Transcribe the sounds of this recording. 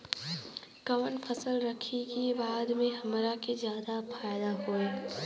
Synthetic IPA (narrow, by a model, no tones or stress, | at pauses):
kɐʋənpʰəsəlɾɐkʰikibaːd̪mẽɦɐmɾakezjaːd̪afʰaːɪd̪aɦoeː